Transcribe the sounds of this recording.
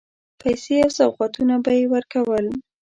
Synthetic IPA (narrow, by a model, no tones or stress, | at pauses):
pajseawsawqɑt̪unabajewəɾkawəl